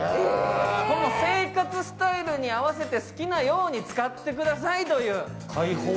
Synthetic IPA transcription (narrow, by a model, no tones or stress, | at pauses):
kono̞se̞ːkat͡sɨsɨ̥t̪aiɾɯ̟ɲ̟iaβase̞t̪e̞sɨ̥kʲinajo̞ːɲ̟it͡sɨ̥kat̪ːe̞k̬ɯ̟d̪as̬ait̪o̞jɯ̟ː | kʰaiho